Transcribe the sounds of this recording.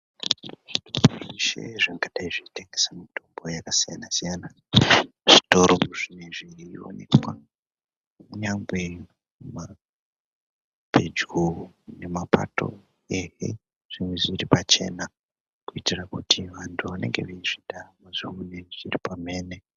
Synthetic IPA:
ʐ̥itoooʐiʃḛʐaŋɡaɗaiʐiiteŋɡe̞samitʰombo̞jakasijanasijana | ʐ̥ito̞ɾouʐineʐio̞̰nḛkwa | muɲaŋɡwe | ma | bʱed͡ʒɡune̞mapa̰to̞̰ | eɦe | ʐ̥imweʐiripat͡ʃe̞̰na | kuitirakutʰiʋantʰuʋane̞̰ŋɡe̞̰ʋeiʐ̥idamaʐiuneʐiripame̞ːne̞

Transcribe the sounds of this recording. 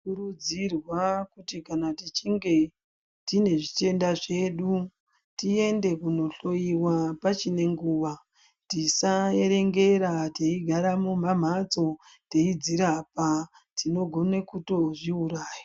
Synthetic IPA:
kuɾud͡zirwakutikanatit͡ʃiŋɡe̞ | tine̞ʐite̞ndaʐe̞ːɗu | tie̞nde̞kuno̞ɬo̞jiwapat͡ʃine̞ŋɡuːʋa | tisae̞ɾe̞ŋɡe̞ɾateiɡʱaɾamum̤am̤at͡so̞ | te̞id͡ziɾapa | tino̞ɡʱo̞nekuto̞ʐiuɾaːja

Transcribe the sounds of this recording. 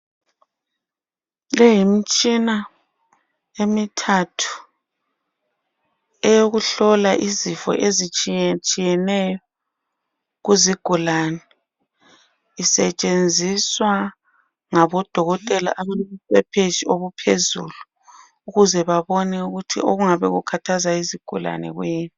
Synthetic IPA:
lɛjimit͡ʃʼina | emitʰatʰu̥ | ɛjoɣuɬɔlaʔizifɔ̰ʔezit͡ʃʼit͡ʃʼijɛnɛjɔ | ɣuziɡ̥ʱulaːnɛ | isɛt͡ʃʼend͡zʱiswa | ŋaβɔd̥ʱɔɣɔtʼɛla̰ʔaβalomuswɛpʰet͡ʃioβupʰezṵlu | uɣuzɛβaβɔnɛuɣutʰḭʔo̰ɣuŋaβɛɣukʰatʰazaiziɡ̥ʱula̰nɛ̰ɣweːnu

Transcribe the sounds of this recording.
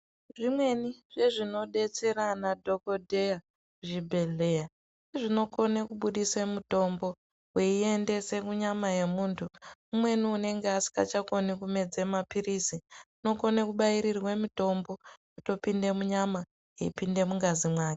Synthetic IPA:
ʐimwe̞niʐe̞ʐino̞ɗe̞t͡se̞ɾanadʱo̞ko̞dʱe̞ja | kuʐibʱe̞ɮe̞ːja | seʐino̞ko̞nekuɓuɗiswemuto̞mbo̞ | weiende̞se̞kuɲamaje̞muːntʰuumwe̞niune̞ŋɡeasi̥ka̰t͡ʃako̞nikume̞d͡zemapirisiuno̞ko̞nekuɓaiɾirwe̞mito̞mbo̞kuto̞pinde̞muɲama | ɦeipinde̞muŋɡazimwaːke

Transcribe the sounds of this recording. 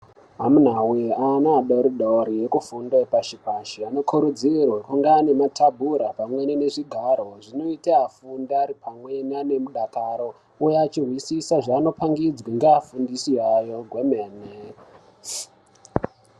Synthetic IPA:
ɦamunawianaːɗoɾiɗoɾije̞kufundoepaʃipaʃiano̞kʰuɾud͡zirwakuŋɡaːne̞matʰabʱuɾapamwenene̞ʐiɡʱaɾo̞ʐino̞itaafundaɾipʰamwenane̞muɗakaɾo̞ | ujat͡ʃirwisisaʐaːno̞paŋɡid͡zwiŋɡeafundisiajo̞ɡʱwe̞meːne

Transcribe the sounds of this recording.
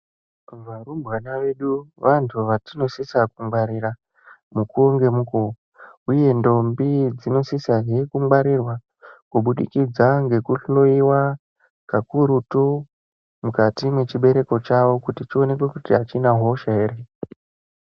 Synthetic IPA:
varumbwanaʋe̞ɗuʋantʰuʋatino̞sisakumwaɾira | mukuoŋɡe̞muko | uje̞ndo̞mbid͡zino̞sisaŋe̞kumɡ͡baɾirwa | kuɓuɗḭkid͡zaŋɡe̞kuɬoiwa | kakuɾutu | mukatimwe̞t͡ʃiɓe̞ɾe̞ko̞t͡ʃaʋo̞kutit͡ʃio̞ne̞kwe̞kutiat͡ʃinaɦo̞ʃaeːre

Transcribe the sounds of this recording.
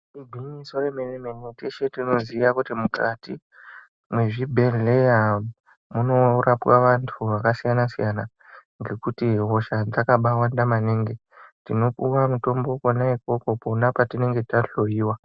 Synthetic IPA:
iɡʱimisoremenemeneteʃetino̞ziʋakutimukati | mwe̞ʐibʱe̞leja | muno̞rapwaʋantʰuʋakasijanasḭjana | ŋɡe̞kutiɦo̞ʃad͡zakaɓawandamaneŋɡe̞ | tino̞puwamuto̞mbo̞konaipo̞ko̞po̞napatine̞ŋɡe̞taɬo̞jiːwa

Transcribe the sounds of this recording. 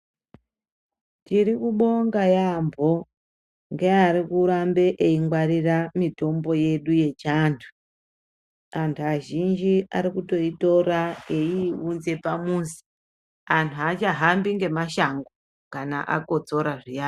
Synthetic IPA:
tiɾikuɓo̞ŋɡajambʱo̞ | ŋɡeaɾikuɾambe̞ʔeiŋɡwariramito̞mbo̞je̞ɗuje̞t͡ʃantʰu̥ | antʰuaʒind͡ʒia̰ɾikuto̞ito̞ɾaeiunze̞pamuːsi̥ | antʰuat͡ʃaɦambiŋɡe̞maʃaŋɡo | kanaʔa̰ko̞t͡so̞ɾaʐijaː

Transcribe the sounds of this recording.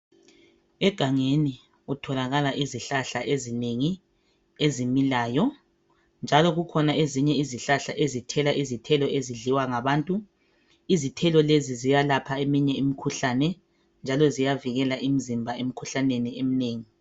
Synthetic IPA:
ɛɡ̥ʱaŋeni | utʰɔlaɣalaʔiziɬaɬaʔezineŋi | ezimilaːjɔ | nd͡ʒʱalɔɣukʰɔnaeziɲɛiziɬaɬa̰ʔezitʰɛlaʔizitʰɛlɔʔeziɮiwaŋaβaːntʼu | izitʰɛlɔlezizijalapʰaemiɲɛimikʰuɬanɛ | nd͡ʒʱalɔzijaviɣɛlaʔim̩zimbʱaem̩kʰuɬaneniem̩neːŋi

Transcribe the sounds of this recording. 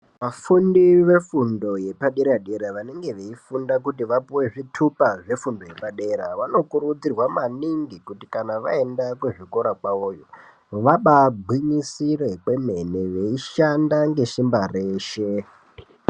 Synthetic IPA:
ʋafundiʋe̞fundo̞je̞paɗeɾaɗe̞ɾaʋane̞ŋɡe̞ʋeifundak̬utiʋapuwe̞ʐitʰupaʐe̞fundo̞je̞paɗe̞ɾaʋano̞kuɾud͡zirwamaniŋɡikutikanaʋa̰e̞ndakweʐiko̞ɾakwaoːjo | ʋaɓabʱwiɲisire̞kwe̞me̞neʋe̞iʃandaŋɡe̞ʃimbareːʃe

